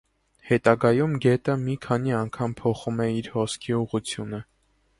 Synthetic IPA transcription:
hɛt̪ɑɡɑjumɡɛt̪əmikʰɑn̪iɑŋkʰɑmpʰɔχumɛiɾhɔskʰiuʁut͡sʰjunə

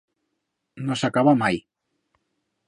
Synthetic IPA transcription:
nosakaβamaj

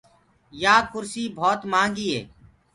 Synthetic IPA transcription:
jaːkʰʊɾsiːbʱoːt̪mãːŋɡiːɦḛː

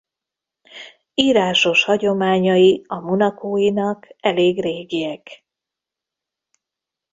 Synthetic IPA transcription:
iːɾaːʃo̞ʃhɒɟo̞maːɲɒjiɒmonɒkoːjinɒkɛleːɡreːɡiɛk

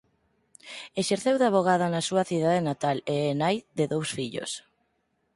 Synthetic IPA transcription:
eʃeɾθewðaβ̞oɣaðanasuɐθiðaðenat̪aleɛnajd̪eðowsfiʎo̰s

